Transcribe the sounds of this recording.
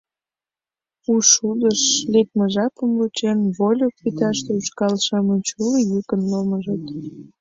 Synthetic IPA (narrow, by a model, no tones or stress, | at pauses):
uʃud̪əʃlek̚məʒɑpəmlut͡ɕenβolʲok̚pit̪ɑʃt̪euʃkɑlʃɑmənt͡ɕuləjykənloməʒət̪